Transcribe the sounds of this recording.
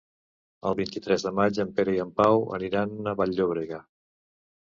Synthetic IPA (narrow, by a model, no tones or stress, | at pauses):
ə̰lˠβint̪it̪ɾɛzðəmad͡ʒəmpeɾəiəmpawə̰niɾanəβaʎːoβɾeɣa